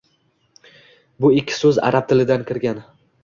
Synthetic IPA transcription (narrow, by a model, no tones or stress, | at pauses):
bʊɪkʲʰːɪ̥sɵza̰ɾap̚t̪ʰɪlɪd̪ankʲʰɪɾɡʲan